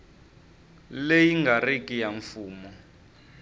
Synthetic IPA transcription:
lejiŋɡarikʼijaɱfuːmɔ

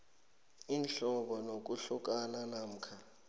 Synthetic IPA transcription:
inɬɔɓɔnok̬uɬuk̬ʼananam̩kʰa

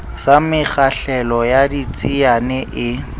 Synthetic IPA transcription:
samɪχaɬɛlɔjadit͡sʼianɛʔɪ

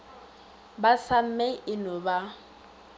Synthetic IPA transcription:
basam̩mɛʔɪnʊba

